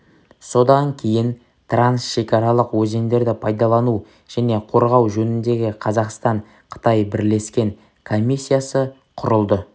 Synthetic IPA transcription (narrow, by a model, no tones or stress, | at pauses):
so̞d̪ɑŋkʲʰe̞jɪn | t̪ʰransʃe̞kʲʰɑɾɑlˠəqwɵze̞nd̪e̞ɾd̪ɪpʰɑjd̪ɑlˠɑnu | ʒ̥æne̞qʰo̞ɾʁɑwʒɵnɪnd̪e̞ɡʲɪqʰɑzɑqst̪ɑɴ | qʰə̥t̪ɑjbɪɾle̞skʲe̞ŋ | kʰo̞mʲisːijasə | qʰʊɾəlˠd̪ə